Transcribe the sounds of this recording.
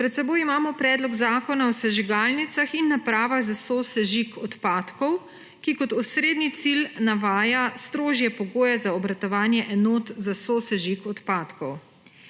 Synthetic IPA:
pɾɛt̪̚sɛboːjimaːmɔpɾɛːd̪lɔɡzaːkɔnaɔsɛʒiɡaːlnit̪saxinːapɾaːʋaɣzasoːsɛʒikɔt̪paːt̪kɔw | kikɔt̪ɔsɾeːd̪nit̪silnaʋaːjast̪ɾoːʒjɛpɔɡoːjɛzaɔbɾat̪ɔʋaːnjɛʔɛnoːt̪zasoːsɛʒikɔt̪paːt̪kɔw

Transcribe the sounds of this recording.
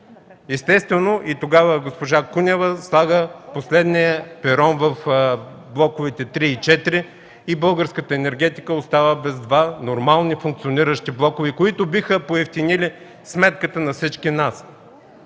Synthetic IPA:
ɛst̪ɛst̪vɛnoʔit̪oɡavəɡospoʒakunʲɛvəslˠaɡəposlɛd̪nijəpɛɾɔnvɐf | blˠɔkʊvit̪ɛt̪ɾiːt͡ʃɛt̪iɾiː | bɤlˠɡəɾskət̪əɛnɛɾɡɛt̪i̥kəost̪avəbɛzd̪vanoɾmalˠnifũŋk̪̚sioniɾəʃt̪iblˠɔkʊvikoit̪obixəpoɛft̪inili | smɛt̪kət̪ənɐfsit͡ʃkinas

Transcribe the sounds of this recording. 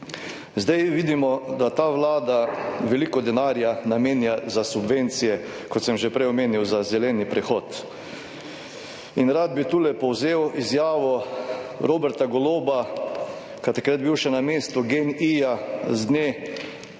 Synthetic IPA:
zd̪ajʋiːd̪imɔd̪at̪aːʋlaːd̪aʋɛlikɔd̪ɛnaːɾjanameːnjazasubʋent̪sijɛ | kɔt̪sɛmʒɛpɾɛjɔmeːniwzazɛlɛːnipɾɛxɔːt̪ | inɾad̪̚bit̪uːlɛpɔwzeːwizjaːʋɔ | ɾoːbɛɾt̪aɡɔloːba | kat̪akɾad̪̚biwʃɛnameːst̪ʊɡenijazd̪neː

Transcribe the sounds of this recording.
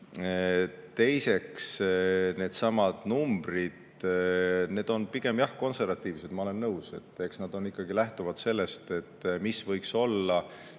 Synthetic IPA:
t̪e̞jse̞ksne̞ːd̪̥sɑmɑd̪̥numb̥rid̪̥ | ne̞ːd̪̥o̞npiɡ̥e̞mjɑhko̞nse̞rvɑt̪ːˑiːvse̞d̪mɑo̞le̞nːɤwse̞t̪ːˑe̞ksnɑd̪̥o̞nikːˑɑɡ̥ilæht̪uvɑd̪̥se̞lːe̞st̪e̞t̪ːmisvɤjkso̞lːɑ

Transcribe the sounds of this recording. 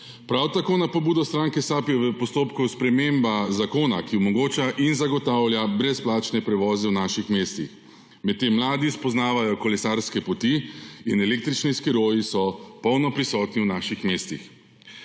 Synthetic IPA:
pɾawt̪akoːnapɔbuːd̪ɔst̪ɾaŋkɛsapjɛʋəpɔst̪oːpkuspɾɛmembazakoːnakiɔmɔɡoːt͡ʃaʔinzaɡɔt̪aːwlʲjabɾɛsplaːt͡ʃnɛpɾɛʋɔːzɛwnaːʃixmeːst̪ix | mɛt̪ːeːmːlaːd̪ispɔznaːʋajɔkɔlɛsaːɾskɛpɔt̪iinɛlek̚t̪ɾit͡ʃniskiɾoːjisɔpɔwnɔpɾisɔːt̪niwnaːʃixmeːst̪ḭx

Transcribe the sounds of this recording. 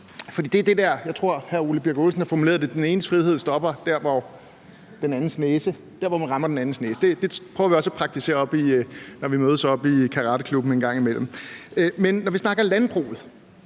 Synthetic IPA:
fɒd̥ḭːd̥e̝æɐd̥e̝dæɐ̰jɑ̈ɪt͡sʰʁo̝ɐ̰hæɐuləb̥iɐɡ̥olsn̩hɑ̈fɒmule̝̰ːðˠded̥ene̝ːnəsfʁiðˠhe̝ð̰ˠsd̥ɒ̽b̥ɐd̥æɐ̰ʋɒ | d̥enænn̩sneːsə | d̥æɐʋɒmænʁɑ̈mɐd̥enæn̩sneːsəd̥e̝d̥e̝pʰœːɐʋiɒ̽səæpʰʁɑ̈ɡ̥̚t͡sʰise̝̰ːɐɒ̽b̥inɒʋimøːð̞ˠsɒ̽b̥ikʰɑ̈ʁɑ̈ːdəkʰlub̥n̩enɡ̥ɑ̈ŋ̰imel̰m̩menːɒʋisnɑ̈ɡ̥ɐlænb̥ʁṵːð̩ˠ

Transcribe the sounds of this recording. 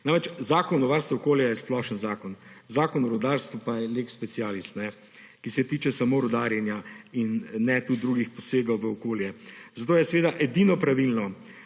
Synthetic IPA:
namɾɛt͡ʃzaːkɔnɔʋaɾst̪ʋoɔkoːljajɛsplɔʃənzaːkɔnzaːkɔnɔɾɔd̪aɾst̪ʋɔpajɛleːkspɛsijaːlist̪nɛ | kisɛt̪iːt͡ʃɛsamoːɾɔd̪aɾjɛnjainːɛt̪ud̪ɾuːɡixpɔseːɡɐwʋəɔkoːljɛzat̪oːjɛsɛʋeːd̪aʔɛd̪inɔpɾaʋilnɔ

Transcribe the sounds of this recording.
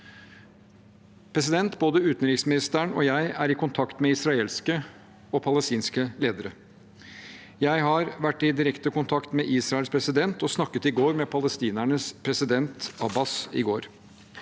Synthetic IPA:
pʰɾɛsɪd̪ɛnt̪boːd̪əʉːt̪n̩ɾɪːksmɪnɪst̪æɳɔ̰ːjæɪæɾɪkʰʊnt̪ʰɑkt̪mɛɪsɾɑeːlskə | ɔpʰɑləst̪iːnskəleːd̪əɾə | jæɪɦɑɾʋæʈːɪd̪ɪɾɛkt̪əkʊnt̪ʰɑkt̪mɛʔiːsɾɑɛlspʰɾɛsɪd̪ɛnt̪ɔsnɑkːət̪ɪɡoːɾmɛpʰɑləst̪iːnæɳəspʰɾɛsɪd̪ɛnt̪ɑbɑsɪ̰ɡoːɾ

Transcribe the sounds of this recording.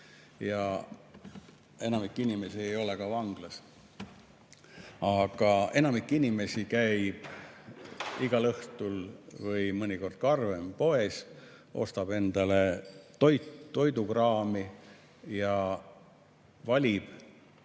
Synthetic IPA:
jɑ | e̞nɑmikˑːinime̞sie̞jo̞lekɑvɑŋɡ̥lɑs | ɑɡ̥ɑe̞nɑmikːˑinime̞sikæjb̥ | iɡ̥ɑlɤht̪ulvɯjmɤnʲiko̞rd̪̥̚kɑrvempo̞e̞s | ʔo̞̰st̪ɑb̥e̞nd̪̥ɑle̞t̪o̞jt̪t̪ːo̞jd̪ukrɑːmi | jɑ | vɑlʲib̥

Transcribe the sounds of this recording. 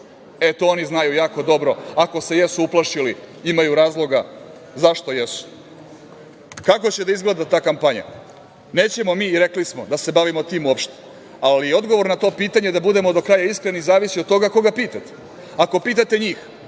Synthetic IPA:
e̞t̪oo̞niznajujaːko̞d̪o̞bɾo̞ako̞se̞jesuuplˠaʃiliimajuɾaːzlˠo̞ɡa | zaʃt̪o̞jesu̥ | kakot͡ɕe̞d̪aizɡled̪at̪aːkampaɲa̰ | ne̞ːt͡ɕe̞mo̞miːɾe̞klismo̞d̪ase̞baʋimo̞t̪iːmuopʃt̪e̥ | alio̞d̪ɡoʋo̞ɾnat̪o̞ːpiːt̪aɲe̞d̪abud̪e̞mo̞d̪o̞kɾaːjaiskɾenizaːʋisiod̪t̪o̞ɡako̞ɡapiːt̪at̪e̥ | ako̞piːt̪̬at̪e̞ɲiːx

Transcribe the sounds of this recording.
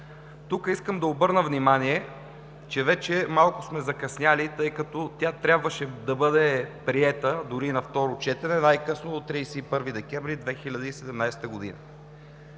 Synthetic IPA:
t̪ukəiskəmd̪ɐobɤɾnəvnimaniɛ | t͡ʃɛvɛt͡ʃɛmalˠkʊ̥smɛzɐkɐsnʲjalit̪ɤjkɐt̪ɔt̪ʲjat̪ɾʲjabvəʃɛd̪ɐbɤd̪ɛpɾiɛt̪əd̪ʊɾinɐft̪ɔɾʊt͡ʃɛt̪ɛnɛnajkɤsnod̪ot̪ɾijsɛipɤɾvid̪ɛkʲɛvɾid̪vɛxilʲɐd̪əisɛd̪ɛmnajsɛ̥t̪əɡod̪ḭnə̰

